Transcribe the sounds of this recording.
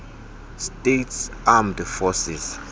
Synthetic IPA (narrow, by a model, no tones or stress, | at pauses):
stʼetsamdfɔsḭs